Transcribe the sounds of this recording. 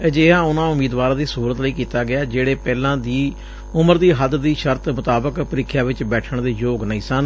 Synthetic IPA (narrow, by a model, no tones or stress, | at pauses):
d͡ʒeːãːʊnãːʊmiːd̪ʋaːɾãːd̪iːsuuːɾət̪ləiːkiːt̪aːɡɪaːd͡ʒeːɽeːpɛːlãːd̪iː | ʊməɾd̪iːɦəd̪d̪iːʃəɾt̪mʊt̪aːbəkpəɾɪkʰjaːʋɪt͡ʃbɛːʈʰəɳd̪eːjoːɡnəĩːsən